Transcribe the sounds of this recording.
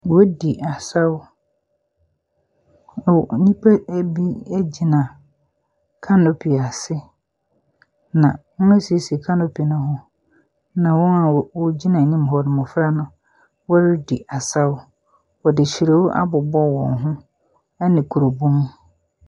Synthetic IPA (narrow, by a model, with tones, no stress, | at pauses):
wɔ˦di˨ʔa˨sa˦ʊ˦˨ | nĩ˦pʰa˦bi˦æ˦d͡ʑi˨nã˨ | kʰa˦nʊ̃˨pʰi˨a˨sɪ˦ | nã˨wʊ̃˦æ˦si˨e˨skʰã˦nʊ˨pʰi˨nʊ̃˦ɦʊ̃˦ | nã˨wɔ̃˦na˨wʊ˦d͡ʑi˦nã˨nĩ˦m˨ɦɔ˨ɾɪ˨mʊ̃˨fɾa˦nʊ̃˨ | wɔ˦ɾɪ˦di˨ʔa˨sa˦wʊ˦ | wɔ˨dɪ˨t͡ɕʰi˨ɾe˨wʊ˦ʔa̰˦bʊ˨bɔ˦wɔ̰̃˨nɦʊ̃˦ | ɛ˦nɪ̃˨kʰu˨ɾu˨bũ˦m